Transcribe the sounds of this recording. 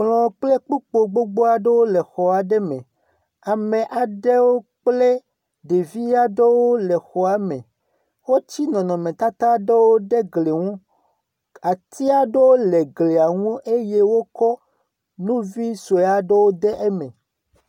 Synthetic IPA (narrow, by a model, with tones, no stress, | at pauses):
k͡plɔ̃˨k͡ple˦k͡pu˦k͡po˨ɡ͡bo˦ɡ͡bo˦a˨ɖe˦wo˦le˨xɔ˨a˨ɖe˦mẽ˨ | a˨mẽ˨ʔa˨ɖe˦wo˦k͡ple˦ | ɖe˨vi˦ja˦ɖe˦wo˦le˨xɔ˨a˨mḛ̃˨ | wo˦t͡ɕi˦nɔ̃˨nɔ̃˨mẽ˨t̪a˦t̪a˦ɖe˦wo˦ɖe˦ɡle˨ŋũ˦ | a˨t̪i˦a˨ɖe˦wo˦le˨ɡle˨a˨ŋũ˦ʔe˦je˦wo˦kɔ˦ | nũ˦vi˦so˨ja˦ɖe˦wo˦d̪e˦ʔe˦mḛ̃˨